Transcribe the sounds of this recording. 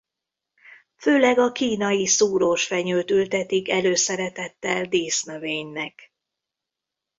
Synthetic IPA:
føːlɛɡɒkiːnɒjisuːɾoʃfɛɲøːt̪ylt̪ɛt̪ikɛløːsɛɾɛt̪ɛt̪ːɛld̪eːsnøveːɲnɛk

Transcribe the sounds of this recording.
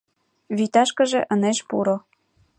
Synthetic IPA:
βit̪ɑʃkə̆ʒĕʔə̆neʃpuɾo

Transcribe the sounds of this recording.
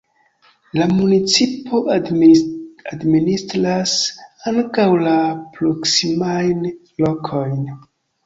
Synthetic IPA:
lamunit͡sipo̞ | administɾasaŋkawlapɾoksimajn | lo̞kʰo̞jn

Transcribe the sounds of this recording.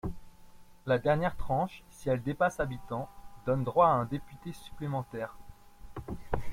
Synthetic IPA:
lad̪ɛʁnjɛʁt̪χɑ̃ʃsiɛld̪epasabit̪ɑ̃d̪ɔnd̪ʁwaːɛ̃d̪epyt̪esy̥plemɑ̃t̪ɛːʁ

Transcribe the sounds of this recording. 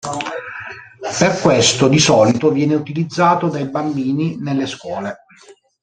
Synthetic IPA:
perkwest̪od̪isɔːlit̪ovjɛːneut̪ilid̪zːaːt̪od̪ajbambiːninelːeskwɔːle

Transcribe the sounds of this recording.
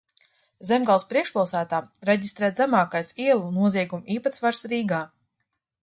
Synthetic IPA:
zemɡalˠspɾiɛkʃpalˠsæːt̪aːɾɛɟist̪ɾɛːt̪zæmaːkajsiɛlˠunuɔziɛɡumiːpat̪svaɾsɾiːɡaː

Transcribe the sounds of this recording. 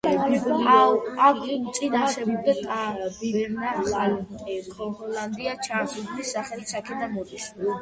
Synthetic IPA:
aaɡt̪sʼinat͡ʃʃʰɛbd̪at̪ʼabibɛɾnaalʼɛkʰɔnχɔland̪iat͡ʃʰansuɡ̪nisːaχɛlsakʰɛd̪anɔd̪iʃ

